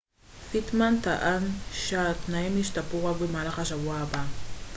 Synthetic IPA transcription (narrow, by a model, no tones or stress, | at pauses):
fɪt̪mant̪aʔanʃat̪najmɪʃt̪apowawɪmaɾχɑʃawaːba